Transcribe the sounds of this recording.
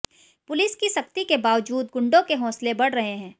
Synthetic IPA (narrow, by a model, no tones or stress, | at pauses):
pʊlɪskisɐkt̪ikebaːʋd͡ʒuːd̪ɡʊ̃ɳɖõkeɦɔ̃ːslebɐɽ̤ɾɐɦeɦɛ̃ː